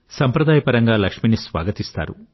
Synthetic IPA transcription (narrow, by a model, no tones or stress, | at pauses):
sɐmpɾɐd̪aːjɐpɐɾɐŋɡaːlɐkʂminisʋa̰ːɡɐt̪ist̪a̰ːɾṵ